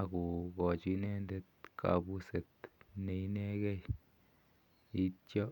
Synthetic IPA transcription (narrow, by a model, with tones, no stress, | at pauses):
ɡu˨ɡo˨d͡ʒi˧ne˦nd̪e˦t̪̚kʰa̰˨bu˦se˨t̪ne˧jne˦ɡe˦j | i˦t͡ʃo˦